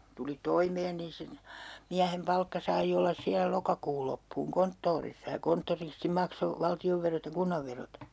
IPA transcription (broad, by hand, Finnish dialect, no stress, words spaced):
tuli toimeːn nin si miæhem pɑlkːɑ sɑi olːɑs siæ lokɑkuːl lopːuːŋ kontːoːrisːɑ jɑ kontːoristi mɑkso ʋɑltioʋːerot jɑ kunːɑʋːerot